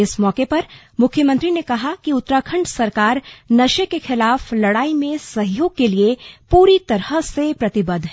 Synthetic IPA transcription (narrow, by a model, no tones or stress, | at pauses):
ɪsmɔːkepɐɾ | mʊkʰjəmə̃nt̪ɾinekɐɦakiʊt̪ːɾaːkʰə̃ɳɖsɐɾkaːɾnɐʃekexɪlaːflɐɽaːimẽsɐɦjoːɡ̚keliepuːɾit̪ɐɾəsepɾɐt̪ɪbəd̪ɦɛ̃ː